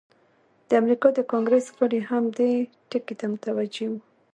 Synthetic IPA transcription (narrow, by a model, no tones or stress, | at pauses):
d̪̥əamɾikɑd̪əkɑŋɡɾesɣaɽehamd̪e | ʈəket̪amʊt̪awad͡ʒewu